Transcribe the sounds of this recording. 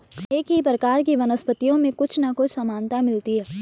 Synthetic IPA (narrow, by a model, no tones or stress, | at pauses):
eːkɦipɾəkaːɾk̬iʋɐnəspət̪ijõmẽkʊt͡ʃʰnɐkʊt͡ʃʰsɐmaːnt̪amɪlt̪iɦɛː